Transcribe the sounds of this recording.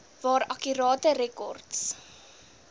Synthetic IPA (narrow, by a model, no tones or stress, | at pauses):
vɑːɾɐkyɾɑːtəɾɛkɔ̰rts